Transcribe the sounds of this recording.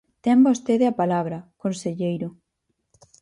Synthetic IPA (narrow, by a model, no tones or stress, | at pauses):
t̪ɛmbost̪eðeapalaβɾɐkonseʎejɾʊ